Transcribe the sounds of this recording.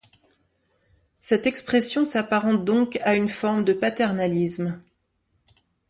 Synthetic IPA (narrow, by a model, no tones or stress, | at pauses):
sɛt̪ɛkspχɛsjɔ̃sapaʁɑ̃d̪ɔ̃kaynfɔʁmd̪əpat̪ɛʁnalism